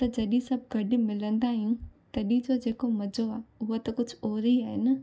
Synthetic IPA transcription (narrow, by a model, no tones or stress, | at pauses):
t̪ɐd͡ʑɐɗĩsɐbʱɡʱɐɖɪ̆mɪlə̃nd̪aːɦiũt̪ɐɗĩd͡ʑoːd͡ʑeːkomɐd͡ʑʱoaːʊɦot̪ɐkʊd͡ʑʱʊoːɾiaːɦɪnɐ